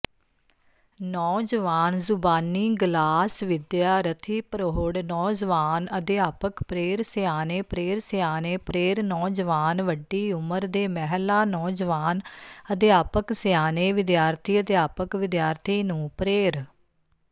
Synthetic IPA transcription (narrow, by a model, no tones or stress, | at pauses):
nɔːd͡ʒəʋaːnzʊbaːniːɡlaːsʋɪd̪jaːɾət̪ʰiːpəɾoɦɽnɔːd͡ʒʋaːnəd̪ɪjaːpəkpɾeːɾsɪjaːneːpɾeːɾsɪjaːneːpɾeːɾnɔːd͡ʒəʋaːnʋəɖːiːʊməɾd̪eːmɛɦlaːnɔːd͡ʒəʋaːnəd̪ɪjaːpəksɪjaːneːʋɪd̪jaːɾt̪ʰiːəd̪jaːpəkʋɪd̪jaːɾt̪ʰiːnũːpɾeːɾ